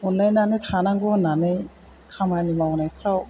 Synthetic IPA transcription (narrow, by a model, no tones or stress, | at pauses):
unlajnanɯjt̪ʰanaŋɡɔnanɯj | kʰamanimawnajkʰɾaw